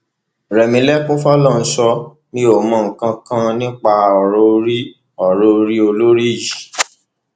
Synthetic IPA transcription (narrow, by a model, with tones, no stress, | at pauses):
ɾɛ˨mĩ˧˦lɛ˦kũ˦fɔ˦lɔ˦˨n̩˨˦sɔ˧ | nĩ˦o˦˨mã˧˨ŋ̩˨kã˧kã˦nĩ˦k͡pa˧ɔ˨ɾo˧ɾi˦ | ɔ˨ɾo˧˦˧ɾi˦o˧lo˦ɾi˦˨ji˨